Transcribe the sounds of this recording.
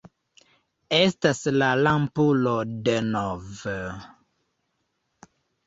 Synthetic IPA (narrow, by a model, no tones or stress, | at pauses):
estaslalampulodenov